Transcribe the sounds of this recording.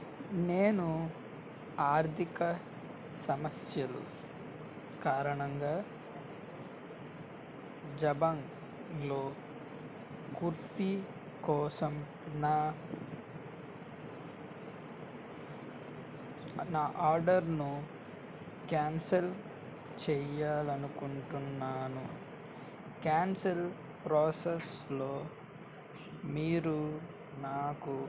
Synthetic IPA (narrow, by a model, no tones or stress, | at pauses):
neːnu | aːɾt̪ʰikɐ | sɐmɐsjɐlṵ | kaːɾɐɳɐŋɡaː | d͡ʒɐbɐŋ | lo̞ː | kuɾt̪i | kɔːsɐm | naː | naːʔaːɾɖɐɾnu | kaːnsɐl | t͡ʃɛːjaːlɐnukuɳʈunːaːnu | kjaːnsel | pɾɔːseslo̞ː | miːɾu | naːku